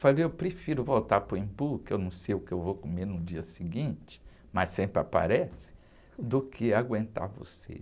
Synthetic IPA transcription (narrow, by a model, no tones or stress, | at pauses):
falejewpɾefiɾʊvowt̪aɾpɾʊĩpukɪewnɐ̃w̃sejʊkɪewvokomeɾnʊd͡ʒiɐsiɡĩt͡ʃɪ̥ | massẽmpɾɪa̰pa̰ɾɛsɪ̥ | d̪ʊkʰɪaɡwẽnt̪a̰ɾvo̰sḛ